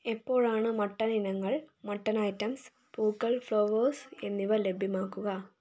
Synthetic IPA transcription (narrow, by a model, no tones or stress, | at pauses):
epːo̞ːɻaːɳɨmɐʈːɐninɐŋːɐɭmɐʈːɐnɐjtːɐms | puːkːɐɭfɭoːʋoːse̞nːiʋɐle̞bʱimaːkːuɣɐ